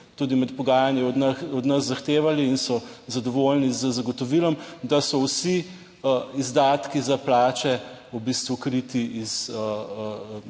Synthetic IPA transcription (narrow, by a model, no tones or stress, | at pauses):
t̪ud̪imɛt̪pɔɡaːjaniɔd̪nəszːaxt̪eːʋaliːnsɔzad̪ɔʋolnizəzaɡɔt̪ɔʋilɔmd̪asɔwsi | izd̪aːt̪kizaplaːt͡ʃɛubist̪ʋukɾit̪iʔizə